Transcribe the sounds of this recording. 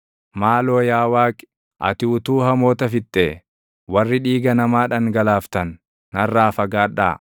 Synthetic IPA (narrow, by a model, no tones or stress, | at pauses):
maːlo̞ːjaːwaːk | ʔɐ̰t̪ɪːt̪uːhɐmo̞ːt̪ɐfɪt̪ʼːeː | wɐrːɪᶑiːɡɐnɐmaːᶑɐŋɡɐlaːft̪ɐnː | ɐrːaːfɐɡaːᶑa̰ː